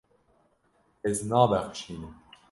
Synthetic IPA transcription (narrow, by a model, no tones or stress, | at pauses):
eznɑːbæxʃiːne